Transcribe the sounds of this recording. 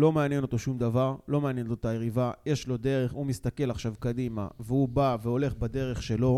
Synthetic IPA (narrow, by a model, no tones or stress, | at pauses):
lo̞meanjeno̞t̪o̞ʃumd̪avaʁlo̞meanjenotot̪ajeʁivajeʃlo̞d̪e̞ʁe̞χumist̪ake̞laχʃavkad̪ima̰veubaveo̞le̞χbad̪e̞ʁeχʃe̞lo̞